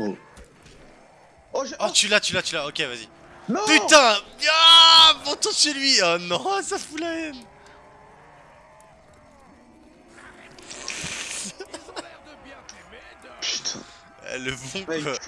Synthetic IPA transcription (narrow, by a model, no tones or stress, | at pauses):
ɔt̪ylat̪ylat̪ylaokʲevazi | npyt̪ɛ̃amɔ̃t̪ɔ̃selɥiɔnɔ̃safulaɛn | d̪bj | ɛ̰ləbɔ̃